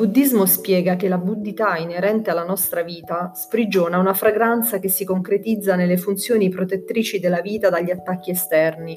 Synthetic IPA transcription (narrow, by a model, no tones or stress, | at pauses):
bud̪ːizmospjɛːɡakelabud̪ːit̪aineɾɛnt̪ealːanɔst̪ɾaviːt̪aspɾid͡ʒoːnaunafɾaɡɾant̪sakesːikoŋkɾet̪id̪zːanelːefunt̪sjoːnipɾot̪et̪ːɾiːt͡ʃid̪elːaviːt̪ad̪aʎːiat̪ːakːiɛst̪ɛrni